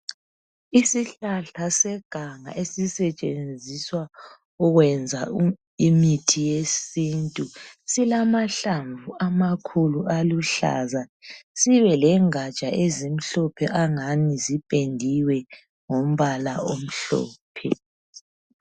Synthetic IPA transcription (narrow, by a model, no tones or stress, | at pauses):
isiɬaɬasɛɡ̥ʱaŋa̰ʔesisɛt͡ʃʼend͡zʱiswa | ɔɣwɛnd͡zʱa | imitʰijesintʼusilamaɬaɱvuamakʰulualuɬa̰zasiβɛlɛŋat͡ʃʼaʔezim̩ɬɔpʰɛʔaŋanizipʼendʱiwɛ | ŋom̩βalaom̩ɬɔ̰ːpʰɛ̰